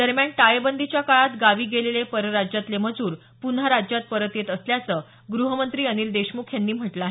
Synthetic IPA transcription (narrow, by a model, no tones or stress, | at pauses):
d̪əɾmjaɳʈajebənd̪ʱit͡ɕjakaɭat̪ɡaʋiːɡelelepəɾəɾad͡ʑjat̪leməd͡zuːɾ | punɦaɾad͡ʑjat̪̚pəɾət̪jet̪əsljat͡səː | ɡɾuɦəmənt̪ɾiːənild̪eɕmukʰjanːiːm̤əʈlaɦe